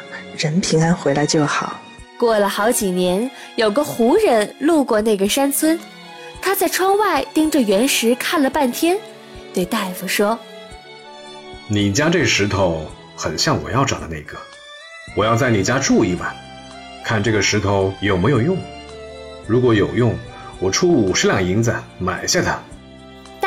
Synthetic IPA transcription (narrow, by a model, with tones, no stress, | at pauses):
ɻə˧˥npʰi˧˥ŋa˥nxwe˧˥ɪla˧˥ɪt͡ɕjo˥˩ʊxɑ˨˩˦ | kwɔ˥˩lə˩xɑ˧˥ʊt͡ɕi˨˩njɛ˧˥n | jo˨˩ʊɡə˧xu˧˥ɻə˧˥nlu˥˧kwɔ˥˧na˥˩ɡə˩ʂa˥nt͡sʰwə˥n | t̪ʰa˥t͡sa˥˩ɪʈ͡ʂʰwɑ˥ŋwa˥˩ɪt̪i˥ŋʈ͡ʂə˥˧ɥɛ˧˥nʂɻ̩˧˥kʰa˥˩nlə˩pa˥˩nt̪ʰjɛ˥n | t̪we˥˧ɪt̪a˥˩ɪfu˨˩ʂwɔ˥ | ni˨˩t͡ɕja˥ʈ͡ʂɤ˥˩ɡə˩ʂɻ̩˧˥t̪ʰo˧˥ʊ | xə˨˩nɕjɑ˥˩ŋwɔ̰˨˩jɑ˥˩ʊʈ͡ʂɑ˨˩d̪ə˦ne˥˩ɡ̥ə˩ | wɔ˨˩jɑ˥˧ʊt͡sa˥˩ɪni˨˩t͡ɕja˥ʈ͡ʂu˥˩i˧˥˩bɐ˨˩ | kʰa˥˧nʈ͡ʂɤ˥˩ɡə˩ʂɻ̩˧˥t̪ʰo˧˥ʊjo˨˩ʊme˧˥ɪjo˨˩ʊjʊ˥˩ŋ | ɻu˧˥kwɔ˧˥jo˨˩ʊjʊ˥˩ŋwɔ˨˩ʈ͡ʂʰu˥u˨˩ʂɻ̩˥ljɑ˥˨˩ŋi˧˥ŋt͡sə˨˩ma̰˨˩ɪɕja˥˩t̪ʰa˥